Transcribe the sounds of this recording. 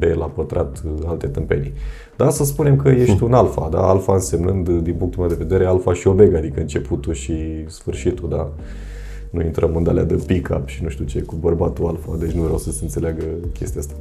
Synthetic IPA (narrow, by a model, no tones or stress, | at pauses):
be̞lapət̪ɾʔat̪alt̪e̞t̪ɨmpe̞̰ni | d̪̥asəs̬pune̞mkəje̞ʃt̪ʲunalfad̪a̰alfaɨnse̞mnɨnd̪d̪inpuŋkt̪ulmead̪eve̞d̪e̞ɾe̞alfaʃio̞me̞ɡaːd̪ikəɨnt͡ʃe̞put̪uʃi | sfɨrʃit̪ud̪a | nuint̪ɾʔəmɨnd̪a̰lea̰d̪epika̰pʃinuʃt̪ʲut͡ʃekubərbat̪ualfa̰d̪e̞t͡ʃʲnuvɾeawsəseɨnt̪se̞leaɡəkʲe̞st̪iast̪ḁ